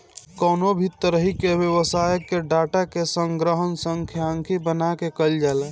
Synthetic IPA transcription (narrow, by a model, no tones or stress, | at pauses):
kɔːnobʱit̪ːəɾəɦikebjəwəsaːjəkːeɖaːʈakesəŋɡɾəɦənsəŋkʰjaŋkʰibənakekəld͡ʒaːlɛ